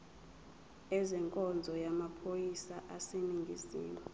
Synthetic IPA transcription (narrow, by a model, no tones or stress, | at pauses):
ɛzɛŋkʼɔnd͡zʱɔjamapʰojisaʔaseniŋɡʱḭzḭːmʼɔ